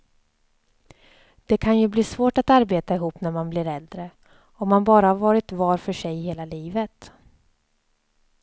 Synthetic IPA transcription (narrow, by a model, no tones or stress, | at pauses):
d̪̥ɛkʰanjɵbliːsvoːʈat̪aɾbeːt̪aɪɦuːpnæɾmanblɪɾɛld̪ɾə | ɔmːanbɑːɾahaɾvɑːɾɪt̪vɑːɾfœʂɛjheːlaliːvət̪